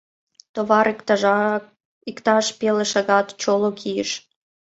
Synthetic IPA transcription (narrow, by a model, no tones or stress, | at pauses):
t̪oβɑɾɑ | ikt̪ɑʃpeleʃɑɣɑt̪t͡ɕolokʰijəʃ